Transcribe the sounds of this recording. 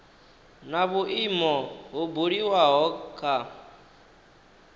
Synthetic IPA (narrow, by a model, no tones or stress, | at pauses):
naβuʔimɔɦubuɺiwaɦɔkʰa